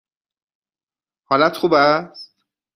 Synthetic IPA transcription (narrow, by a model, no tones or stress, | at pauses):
hɒːlæt̪xuːbæst̪